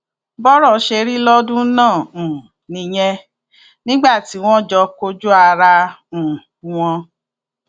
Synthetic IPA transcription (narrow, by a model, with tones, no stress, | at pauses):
bɔ˦ɾɔ˦˨˦ʃe˧ɾi˦lɔ˦dũ˦nãː˦˨ũ˨ | nĩ˧j̃ɛ̃˧ | nĩ˦ɡ͡ba˦˨ti˨˦w̃ɔ̃˦d͡ʒɔ˧ko˧d͡ʒu˦a˧ɾã˧˨ | w̃ɔ̃˧